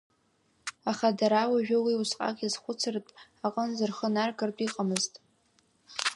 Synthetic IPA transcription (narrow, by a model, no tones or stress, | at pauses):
aχadaɾawaʒᶣʊwiusqʼa̰kʼizχʷʊt͡sʰɨrtʼaqʼənzɨrχənarɡɨrtʼiqʼamɨztʼ